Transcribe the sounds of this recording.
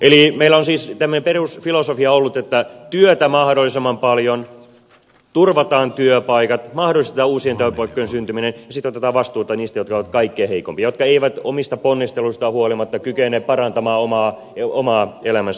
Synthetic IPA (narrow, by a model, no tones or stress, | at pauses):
ʔelimeilæonsiːst̪æmːønemperusfilosofiɑolːut̪et̪ːæt̪yøt̪æmɑhdolːˑisemːɑmpɑljon | t̪urʋɑt̪ɑːnt̪yøpɑikɑt̪mɑhdolist̪et̪ɑːuːsient̪æøpɑikːojensynt̪yminenjɑsit̪ːot̪et̪ɑːʋɑst̪uːt̪ːɑniːst̪æjot̪kɑoʋɑt̪kɑikːeːheikompiɑjot̪̚kɑeiʋæt̪omist̪ɑponːist̪eluist̪ɑhuolimɑt̪ːɑkykenˑeːppɑrɑnt̪ɑmɑːomɑː | omɑːelæmæns